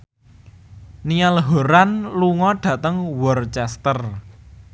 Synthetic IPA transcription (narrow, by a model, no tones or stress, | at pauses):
nialɦo̤ɾanluŋɔɖ̥ä̤t̪əŋwɔrt͡ʃɛst̪ər